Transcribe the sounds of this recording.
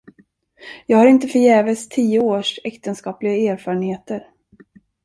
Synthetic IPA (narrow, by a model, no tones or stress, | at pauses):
jɑːɡhaɾɪnt̪əfœɾjɛːvəst̪ʰiːəoːʂɛkt̪ənskɑːplɪɡaæːɾfɑːɾəɳheːt̪əɾ